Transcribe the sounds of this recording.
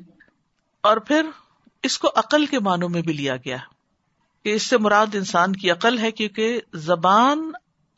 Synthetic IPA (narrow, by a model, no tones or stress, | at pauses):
ɔːɾpʰɪɾ | ɪskoʔɐqəlkemaːnõmẽbʱilija̰ɡɐjaːɦɛ | keɪsːemʊɾaːd̪ɪnsaːnkiɐqəlɦɛkjõːkezɐbaːn